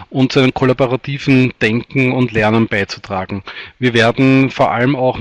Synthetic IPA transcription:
ʔʊntt͡suʔænəmkʰolaboʁatʰiːv̥n̩d̥ɛŋkŋ̩ʊntlɛɐnənb̥aɪt͡su̥tʁ̥aːɡŋ̩viːɐveːɐdn̩foːɐʔa̰ləmaʊx

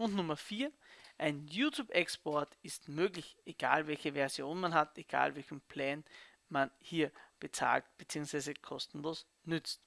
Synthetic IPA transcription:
ʊntnʊmɐfiːɐ | ʔaɪnjuːtʰjuːbɛkspɔɐtɪstmøːɡlɪçʔeɡ̥aːlvɛlçəvɛɐzjoːnmanɦateɡ̥a̰ːlvɛlçn̩pʰlɛːn | manhiːɐb̥ət͡sa̰ːlt̚b̥ət͡siːʊŋsv̥aɪzəkʰɔstn̩loːs | nʏt͡st

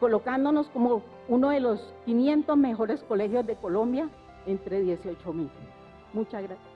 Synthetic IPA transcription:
ko̞lokand̪ono̞sko̞mo | unoðe̞lo̞skinje̞nt̪ozme̞xo̞ɾe̞sko̞le̞xjo̞zd̪e̞ko̞lo̞mbja | ent̪ɾe̞ðje̞siot͡ʃomiʎ | mut͡ʃazɣɾasja

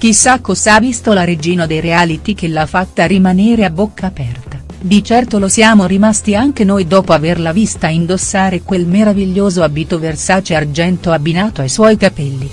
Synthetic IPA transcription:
k̟isːakːosavist̪olaɾed͡ʒiːnod̪ejɾeaːlit̪ik̟elːafːat̪ːaɾimaneːɾeabːokʰːaːpɛrt̪a | d̪it͡ʃɛrt̪olosjaːmoɾimast̪iaŋk̟enojd̪ɔːpoaverlavist̪aind̪osːaːɾekwelmeɾaviʎːoːzoabit̪oversaːt͡ʃeard͡ʒɛnt̪oabinaːt̪oajswɔjkapɛlːi

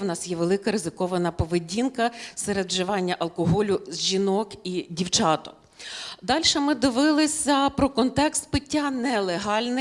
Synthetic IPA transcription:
wnɑsjɛʋelˠɪkɐɾɪzɪkɔʋɐnɐpɔʋɪdʲinkɐsɛɾed̪ʒɪʋɑnʲːɐʔɐlˠkɔɦɔlʲʊzʲʒʲinɔkidʲiwt͡ʃɑt̪ɔ̥ | d̪ɑlʲʃɛmɪd̪ɪʋɪlˠɪsʲɐpɾɔkɔnt̪ɛkst̪̚pɪtʲːanɛlˠeɦɑlʲnɪ

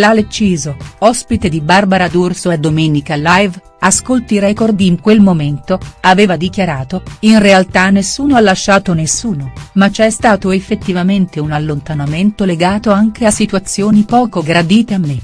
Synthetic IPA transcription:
lalet͡ʃːiːzoɔspit̪ed̪ibarbaɾad̪ursoad̪omeːnikalajv | askolt̪iɾɛkord̪iːŋkwelmoment̪oaveːvad̪ikjaɾaːt̪oinrealt̪anːesːuːnoalːaʃːaːt̪onesːuːnomat͡ʃːɛst̪aːt̪oefːet̪ːivament̪eunalːont̪anament̪oleɡaːt̪oaŋkeasit̪wat̪sːjoːnipɔːkoɡɾad̪iːt̪eamːe

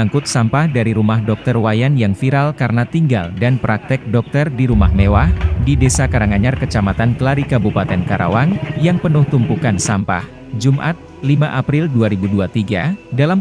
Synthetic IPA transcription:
aŋkʊt̪̚sampahdaɾiɾumahdɔk̚t̪ərwajanjaŋfiɾalkaɾənat̪iŋɡa̰ldanpɾak̚t̪ɛk̚dɔk̚t̪ərdiɾumahmewahdidesakaɾaŋaɲarkət͡ʃamat̪ankəlaɾikabupat̪ɛnkaɾa̰wanjaŋpənʊht̪umpukansampa̰h | d͡ʒumʔa̰t̪̚ | limaʔapɾilduaɾibuduat̪iɡa̰dalam

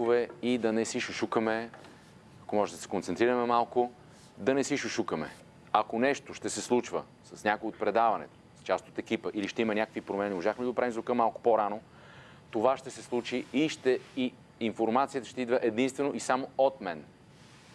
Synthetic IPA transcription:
ovɛid̪ɐnɛsiʃʊʃukəmɛ | ɐkomɔʒɛd̪ɐsɛ̥kont̪sɛnt̪ɾiɾəmɛmalˠkʊ | d̪ɐnɛsiʃʊʃukəmɛ̰ | ɐkonɛʃt̪oʃt̪ɛsɛslˠut͡ʃvə | sɐsnʲakojot̪̚pɾɛd̪avɐnɛ̰t̪o̥st͡ʃast̪ot̪ɛkipəʔiliʃt̪ɛimɐnʲakəkvipɾomɛnimoʒaxmɛd̪d̪opɾavimzɾokəmalˠkʊ̥poɾano | t̪ovaʃt̪ɛsɛslˠut͡ʃiiʃt̪ɛi | infoɾmat̪siət̪əʃt̪ɛid̪vəʔɛd̪inst̪vɛnoʔisamoot̪mɛn

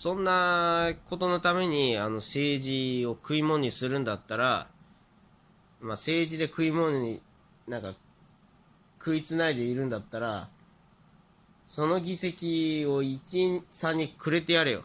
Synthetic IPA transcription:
sõ̞nːako̞t̪o̞no̞t̪ame̞ɲ̟iano̞se̞ːʑio̞kɯ̟imo̞ɲ̟isɨɾɯ̟̃nd̪at̪ːaɾa | mase̞ːʑid̪e̞kɯ̟imo̞nɲi | nãŋka | kʰɯ̟it͡sɨnaid̪e̞iɾɯ̟̃nd̪at̪ːaɾa̰ | so̞no̞ɡʲise̞kʲio̞it͡ɕisaɲ̟ːikʰɯ̟ɾe̞t̪e̞jaɾɯjo̰

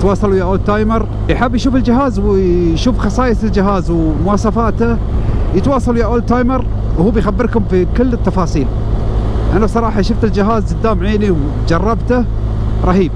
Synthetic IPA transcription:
t̪wɑːsˤɑlujaʔoːlt̪aːjmɑɾˤ | jħabːjʃuːfɪld͡ʒɪɦaːzwʃuːfxɑsˤɑːjɪsɪld͡ʒɪɦaːzwmʊwɑːsˤɑfaːt̪a | jɪt̪wɑːsˤɑlujaʔoːlt̪aːjmɑɾ | whuːbjxabːɪɾkʊmfikɪlːɪt̪ːɑfɑːsˤiːl | ʔanabsˤɑɾˤɑːħɑʃʊft̪ɪld͡ʒɪɦaːzd͡ʒɪd̪ːaːmʕeːniw | d͡ʒɑrˤːɑbt̪a | ɾˤɑħiːb̚

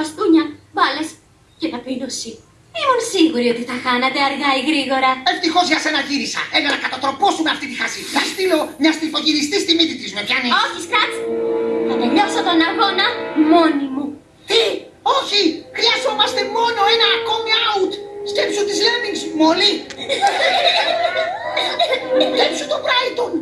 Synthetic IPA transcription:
ɐst̪uɲɐvɐle̞s | cet̪ɐpinosi | imunsiɣuɾio̞t̪iθɐxɐnɐt̪e̞ɐɾɣɐiɣɾiɣo̞ɾɐe̞ft̪ixo̞zʝɐse̞nɐʝiɾisɐ̰enɐnɐkɐt̪ɐt̪ɾo̞po̞sumeɐft̪it̪ixɐsinɐst̪ilo̞mɲɐst̪ilfo̞ʝiɾist̪ist̪imit̪it̪ɾizmepʝɐnioçiskɾɐt̪sθɐt̪eʎosot̪o̞nɐɣo̞nɐmo̞nimu | t̪i | oçixɾiɐzo̞mɐst̪e̞mo̞no̞e̞nɐːko̞miaut̪scepsunt̪izlemiŋɡzmoli | tepsut̪upɾɐit̪un

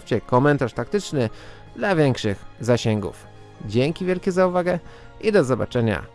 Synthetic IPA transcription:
ft͡ɕɛkɔmɛnt̪aʂt̪ak̚t̪ɘt͡ʂnɘ | d̪lavʲjɛŋkʂɘxzaɕɛŋɡṵf | d͡ʑɛŋkʲivʲjɛlkʲɛzauvaɡɛ | ʔid̪ɔzɔba̰t͡ʂɛɲa̰

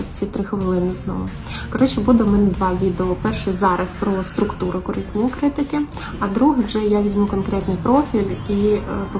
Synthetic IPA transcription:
wt͡sʲit̪ɾɪxɔʋelˠɪnɪznɔ̰ʋʊ | kɔɾɛt͡ʃɔbud̪ɛmɛnɛd̪ʋɑʋʲid̪eɔpɛrʃɛzɑɾɐspɾɔst̪ɾʊkt̪uɾʊkɔɾɪsʲt̪nɔjikɾɪt̪ɪkɪ | ɐd̪ɾuɦwʒɛjaʋʲizʲmukɔnkɾɛt̪nɪjpɾɔfʲilʲip

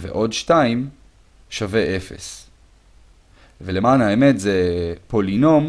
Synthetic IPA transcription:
vḛʔo̞dʃtaim | ʃave̞ʔe̞fe̞̰s | velemaːnhaemetzepo̞lino̞m

